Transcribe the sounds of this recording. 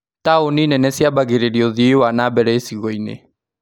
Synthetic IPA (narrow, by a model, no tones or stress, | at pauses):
taoninɛnɛsiabaɣeɾeɾioðiewanabɛɾɛesiɣɔinḛ